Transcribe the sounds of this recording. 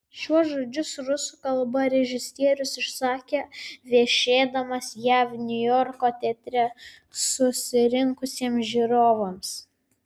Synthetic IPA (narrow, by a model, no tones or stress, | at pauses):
ʃʲuɔʒoːd͡ʒʲʊsɾʊsukɐlˠbɐɾʲɛʒʲɪsʲt̪ʲiɛɾʲʊsɪʃsɑːkʲeːʋʲiɛʃʲeːd̪ɐmɐsjæːʋnʲʊjɔɾkoːt̪ʲɛt̪ʲɾʲɛ | sʊsʲɪɾʲɪŋkʊsʲiɛmsʒʲiːɾoːʋoːms